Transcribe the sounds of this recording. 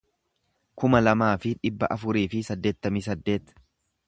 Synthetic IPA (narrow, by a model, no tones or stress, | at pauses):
kʊmɐlɐmaːfɪᶑɪbːɐ̰ʔɐfʊɾiːfɪsɐd̪ːe̞ːt̪ːɐmis̬ɐd̪ːe̞ːt̪